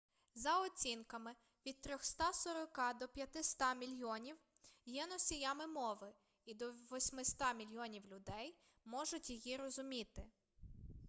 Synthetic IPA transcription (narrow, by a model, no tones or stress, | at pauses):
zɐɔt͡sʲinkɐmɪ | ʋʲid̪̚t̪ɾʲɔxst̪ɑsɔɾɔkɑd̪ɔpʲjɐt̪ɪst̪ɑmʲilʲjɔnʲiw | jɛnɔsʲijamɪmɔʋɪ | id̪ɔʋɔsʲmɪst̪ɑmʲilʲjɔnʲiwlʲʊd̪ɛj | mɔʒʊtʲjijiɾɔzʊmʲit̪ɪ